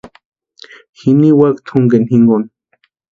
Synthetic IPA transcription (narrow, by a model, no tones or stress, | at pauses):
xiniwakt̪ʰuŋɡenhiŋɡon